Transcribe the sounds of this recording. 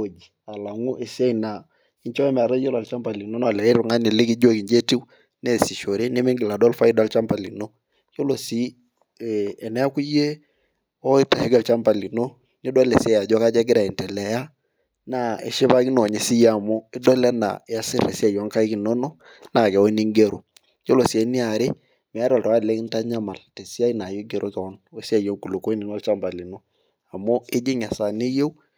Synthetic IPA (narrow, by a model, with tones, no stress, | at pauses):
o˨d͡ʒi˨a˨la˨ŋu˦ʔe˨si˦a˦i˨na˨ | ɪ˦ɲt͡ʃɔ˦ɛ˦mɛ˨a˨ɾa˦jo˦la˨lt͡ʃa˦mba˨li˨no˦nɔ˦a˨lɛ˨i˦ɾu˨ŋa˦nɪ˨lɪ˦ki˦d͡ʒo˦ki˨ɲd͡ʒe˦ti˦w | nɛ˦˨si˨ʃo˨ɾe˦ne˦me˦ŋɡɪ˨la˨dɔ˦lfa˦i˦dwa˦lt͡ʃa˦mpa˨lḭ˨no˦ | jo˦lo˨si˦˨ | nɛ˦a˦ku˦je˦ | ɔ˦ɪ˦ta˨he˦ɡa˨lt͡ʃa˦mba˨li˨no˦ | nɪ˦dwa˦le˨sɛ˦ja˨d͡ʒɔ˦ka˦d͡ʒɛ˦ɡɪ˦ɾa˨i˨ntɛ˨lɛ˨ja˦ | na˦˨ḛ˨ʃɪ˦ba˦kɪ˦nɔ˨ɲe˨sɪ˦ja˦˨mo˦ɪ˦dɔ˦lɛ˦na̰˨ɪ˦a˦sɪ˦re˨si˦a˦˨jɔ˦ŋka˦i˦kɪ˨no˦no˦ | na˨kɛ˨o˦ni˦ŋɡe˦ɾo˨ | jo˦lo˨si˨a˨˦ni˦a˨ɾe˦ | mɛ˨a˦ɾa˨lta˨wa˦˨lɛ˦kɪ˦nta˦ɲa˦ma˨lte˨si˦a˦i˦na˨jo˦ɡe˨ɾʔo˦tɔ˨˦no˦si˦a˨jo˦ku˨lo˨ko˦nɪ˨nwa˦lt͡ʃa˦mba˨li˨no˦ | a˨mo˦ɪ˦d͡ʒɪ˦ŋa˨sa˨ne˦je˦w